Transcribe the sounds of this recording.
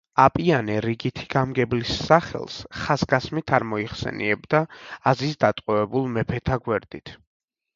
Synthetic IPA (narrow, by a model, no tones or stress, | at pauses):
apʼianɛɾiɡit̪ʰi̥ɡ̥amɡɛblisːaχɛ̰lˠsχasɡasmit̪ʰaɾmɔiχsɛ̰nḭɛbd̪aazisd̪at̪ʼqʼɔvɛbulˠmɛpʰɛt̪ʰaɡwɛɾd̪̥it̪ʰ